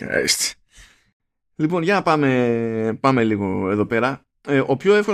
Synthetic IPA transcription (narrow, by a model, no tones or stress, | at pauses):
st̪e̥ | lipo̞nʝɐnɐpɐme̞pɐme̞liɣo̞e̞ðo̞pe̞ɾɐ | ʔo̞pço̞e̞fko